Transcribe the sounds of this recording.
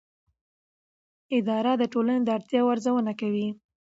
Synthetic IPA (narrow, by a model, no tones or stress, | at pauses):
ɪd̪ɑɾad̪əʈolaned̪əaɽt̪jɑwaɾzawənakawi